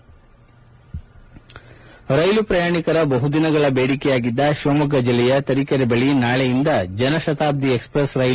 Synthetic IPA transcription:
ɾɐjlupɾɐjaːɳikɐɾɐbɐɦud̪inɐɡɐɭɐbeːɽikɛjaːɡid̪ːɐʃoːmɐɡɐd͡ʒilːɛjɐt̪ɐɾikɐɾɛbɐɭinaːɭejind̪ɐd͡ʒɐnɐʃɐt̪aːb̚d̪iekspɾɐsɾɐjl

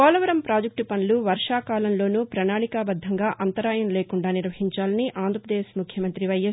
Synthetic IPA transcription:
ɔːlɐʋɐɾɐmpɾaːd͡ʒɐk̚ʈupɐnluʋɐɾʂaːkaːlɐmlo̞ːnupɾɐnaːɭikaːbɐd̪ʱːɐŋɡaːʔɐnt̪ɐɾaːjɐnɐleːkuɳɖaːniɾʋɐɦiɲt͡ʃaːlɐniʔʔaːnd̪ɾɐpɾɐd̪eːsmukʰjɐmɐnt̪ɾiʋɐjɐ

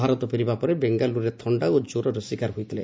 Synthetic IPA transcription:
aɾɔt̪ɔpiɾibapɔɾebeŋɡaluɾet̪ʰɔɳɖaod͡ʒoɾɔɾɔsikaɾɦujt̪ʰile

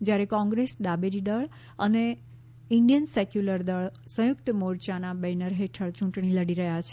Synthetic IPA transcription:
d͡ʒjaɾekɔ̃ŋɡɾesd̪abeɾid̪əɭ | əne | ɪɳɖijənsekjuləɾd̪əɭsə̃jʊk̚t̪əmoɾt͡ʃanabenəɾɦeʈʰəɭt͡ʃũʈɳiləɽiɾəɦjat͡ʃʰe

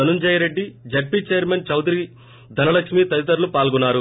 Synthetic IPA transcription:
ɐnund͡ʒɐjɐɾe̞ɖːid͡ʒeʈ̚pit͡ʃejɐɾmɐnt͡ʃɐwd̪iɾi | d̪ʱɐnɐlɐkʂmit̪ɐɾit̪ɐɾlupaːlɡunːaːɾu

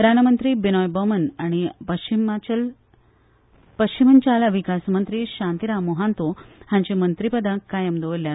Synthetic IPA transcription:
ɾanəmənt̪ɾiːbinɔjbəmənaɽ̃ipəɕimat͡ɕəl | pəɕt͡ɕimənt͡ɕalaʋikasmənt̪ɾiːɕãnt̪iɾamuɦant̪ohãɲt͡ɕimənt̪ɾipəd̪ãkajəmd̪oʋəlja

